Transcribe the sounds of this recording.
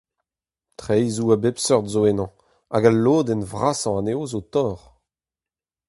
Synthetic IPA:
t̪χɛjzuabɛpsœʁd̪zoenɑ̃ | a̰ɡalːoːd̪ɛnvʁasɑ̃aneozot̪ɔːʁ

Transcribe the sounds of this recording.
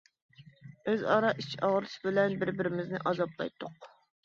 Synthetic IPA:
øzɑɾɑʔit͡ʃʰɑʁɾɨʃbɪlɛnbɪɾbɪɾɪmɪznɪʔɑzɑplˠɑ̰jt̪ʰːʊq̚

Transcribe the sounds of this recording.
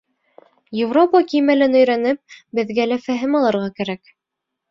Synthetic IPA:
jɪvropɑkijmælɘnɵ̆jɾænɘp̚bɘ̆ðɡælæfæɦɘmɑlˠɤɾʁɑkæɾæk

